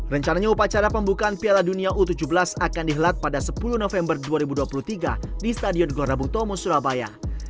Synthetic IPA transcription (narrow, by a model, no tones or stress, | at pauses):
rəɲt͡ʃanaɲaupat͡ʃaɾapəmbukaːnpialaduniaʔut̪ud͡ʒubəlasakandiɦəlat̪̚padasəpulunofɛmbərduaɾibuduapulut̪iɡa̰dist̪adiɔnɡlɔɾabuŋt̪ɔmɔsuɾabaja̰